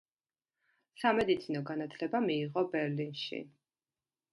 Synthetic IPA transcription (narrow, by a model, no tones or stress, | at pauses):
samɛd̪it̪sʰinɔɡanat̪ʰlɛbamiːʁɔbɛɾlinʃḭ